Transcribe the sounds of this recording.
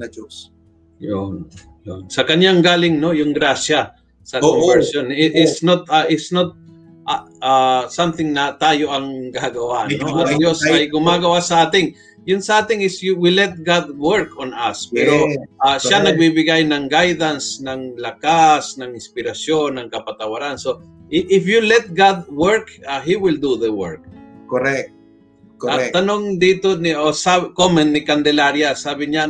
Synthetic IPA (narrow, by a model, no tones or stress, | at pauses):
d͡ʒos | jon | jnsɐkɐnjaŋɡaːlɪŋno̞jʊŋɡɾasja | sɐkovɛɹsonɪʔɪsnot̪aʔɪsnot̪̚ | ʔaasamt̪ɪŋnɐt̪aːjo̞ʔɐŋɡaɡɐwaʔnːʔajosɐjɡʊmaːɡɐwasɐaːt̪ɪŋ | jʊnsɐʔaːt̪ɪŋɪsjʊwɪlɛt̪̚ɡad̪̚wɛɹkonɐspɛɾoaʃanɐɡ̚bibɪɡajnɐŋɡajd̪ansnɐŋlɐkasnɐŋɪnspɪɾɐsjonːɐŋkɐpɐt̪ɐwaɾanso | ʔɪʔɪfjulɛt̪̚ɡad̪̚wɛɹkaɦiwɪld̪uðəwɛɹk̚koɾɛ | kat̪ɐnoŋd̪iːt̪onɪʔosakomɛnt̪nɪkɐnd̪ɛlaɾjasaːbɪɲa